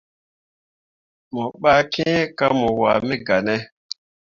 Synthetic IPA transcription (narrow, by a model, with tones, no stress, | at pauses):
mɔ˨ɓa˦kɛ̃˦ka˦mɔ˨wa̰˨me˦ɡa˨nɛ˦